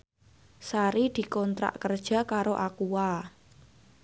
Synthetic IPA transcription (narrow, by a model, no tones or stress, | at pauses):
saɾid̪̥i̤kɔnt̪ɾa̰ʔkərd̥ʒ̥ä̤kaɾoʔakuwa